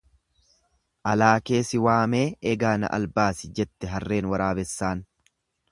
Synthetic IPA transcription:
ʔɐlaːke̞ːsɪwaːme̞ːʔɛɡaːnɐ̰ʔɐ̰lbaːsɪd͡ʒɛt̪ːɛɦɐrːe̞ːnwɐɾaːbɛsːaːn

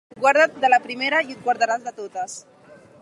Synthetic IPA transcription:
ɡwaɾð̞at̪̚d̪əlapɾimeɾəiut̪̚ɡwaɾðaɾazðət̪ot̪əs

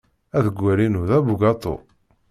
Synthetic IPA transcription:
æðəɡʷːæɾinuðæbuɡɑt̪ˤo̰

